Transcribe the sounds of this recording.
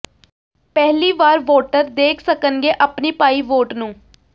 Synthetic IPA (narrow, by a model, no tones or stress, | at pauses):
pɛɦliːʋaːɾʋoːʈəɾd̪eːkʰsəkənɡeːʔəpniːpaːiːʋoːʈnũː